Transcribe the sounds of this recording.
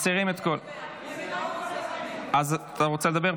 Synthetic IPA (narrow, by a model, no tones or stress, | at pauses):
siʁimet̪kol | azt̪aʁot͡seled̪abeʁ